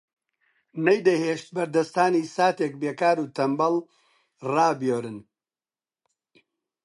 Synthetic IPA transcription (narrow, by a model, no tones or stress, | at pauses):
nɐjd̪ɐheːʃt̪̚bɐɾd̪ɐst̪aːniːsaːt̪eːk̚beːkaːɾuːt̪ɐmbɐl | raːbjoːɾɨn